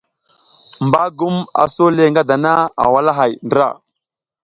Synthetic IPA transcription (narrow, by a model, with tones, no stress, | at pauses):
mba˦ɡu˦ma̰˨so˦le˦ŋɡa˦da˨na˦a̰˨wa˦la˦ɦa˨jndɾa̰˦˨